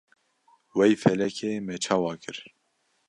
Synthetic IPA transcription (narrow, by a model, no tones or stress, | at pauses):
wɛjfɛlɛkʰeːmɛt͡ʃʰɑːwɑːkɨɾ